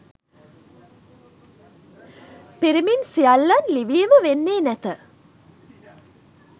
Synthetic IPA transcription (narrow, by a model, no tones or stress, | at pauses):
piɾiminsialːanliʋiːməʋenːeːnæt̪ə